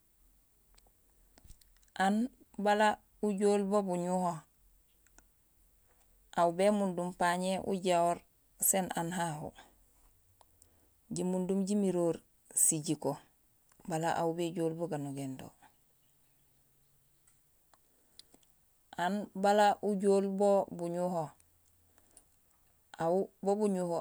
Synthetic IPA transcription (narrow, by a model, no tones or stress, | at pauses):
ʔan | bala | uɟoːlbobuɲuho | ʔawubemundumpaɲeʔṵɟawoɾ | senanɦaɦo̰ | ɟimundumɟimiɾoːɾ | siɟiko | balaʔa̰ubeɟoːlboɡanuɡendo̰ | ʔanbalaʔuɟoːlbobuɲuho | awubobuɲuho